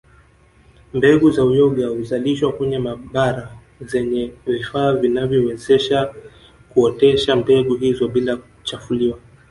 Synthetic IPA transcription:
mbɛɡuzaujɔɠahuzaliʃwakɛɲɛmaɓaɾa | zɛɲɛvifaːvinavjɔwɛzɛʃa | kuɔtɛʃambɛɠuɦizɔɓilakut͡ʃafuliwa

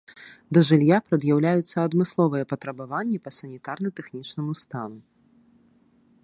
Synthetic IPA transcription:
d̪ɐʐɨlʲjapɾɐd̪jawlʲajut̪sːɐɐd̪mɨslˠɔvɨjɛpɐt̪ɾɐbavanʲːɛpɐsɐnʲit̪arnɨt̪ɛxnʲit͡ʂnɐmust̪anu

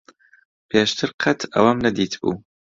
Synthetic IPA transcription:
pʰeːʃt̪ʰɨɾqʰɐt̪ʰɐ̰wɐmnɐd̪iːt̪b̥ṵː

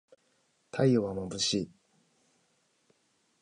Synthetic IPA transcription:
t̪ʰaioβamobɯɕi

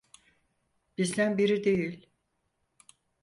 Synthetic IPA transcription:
b̥izd̪ænbiɾid̪e̞jilʲ

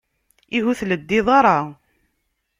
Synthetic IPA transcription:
iɦuθləd̪ːiðˤɑɾˤɑ

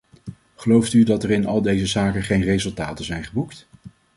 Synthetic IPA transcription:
χəlowftydɑtɛrɪnɑlˠdejzəzaːkənχejnrejzɵlˠtaːtəzɛjnχəbukt

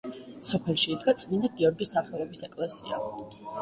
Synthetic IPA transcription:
sɔpʰɛlˠʃiːd̪ɡat̪sʼminaɡiɔɾɡisaχɛlˠɔbisɛkʼlɛsia̰

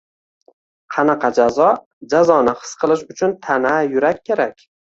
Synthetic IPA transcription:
qʰɑnɑqʰɑd͡ʒazɒ | d͡ʒazɒnɪχɨ̥sqʰɨlˠɪʃʊt͡ʃʰʊnt̪ʰanajʊɾakʲːʰeɾakʲ

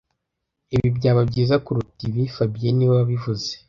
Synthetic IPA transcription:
iβibɟaːβabɟiːzakuɾutiβifabieniβaβaβivuze

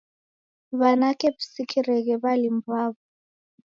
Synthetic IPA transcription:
βanakɛβisikʰiɾɛɣɛβalimbβaːβɔ

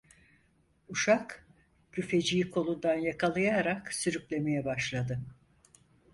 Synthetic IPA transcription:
uʃak | cʰyfe̞d͡ʒijikʰo̞lˠund̪anjakʰalˠɯjaɾaksyɾyclʲe̞me̞jɛbaʃlˠad̪ɯ

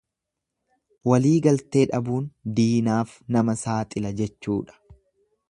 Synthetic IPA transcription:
wɐliːɡɐlt̪e̞ːᶑɐbuːnd̪iːnaːf | nɐmɐsaːt̪ʼɪlɐd͡ʒɛt͡ʃːuːᶑɐ̥

